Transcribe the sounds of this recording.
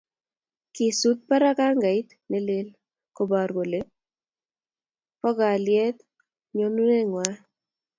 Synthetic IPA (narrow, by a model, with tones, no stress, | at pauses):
kɪ˨su˦t̪̚pa˦ɾa˦ka˦ŋɡa˨ɪ˦t̪ | nɛ˨lɪ˦l | ko˨ba˨ɾɡo˨le˦ | kɔ˦ɡa˨ljɛ˦t̪ | ɲo˦nu˦ne˦ŋwa˦